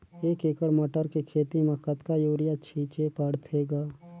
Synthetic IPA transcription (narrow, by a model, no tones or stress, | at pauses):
eːkeːkəɽməʈəɾkekʰeːt̪imɐkət̪kajoːɾɪjat͡ʃʰiːt͡ʃepəɽt̪ʰeːɡaː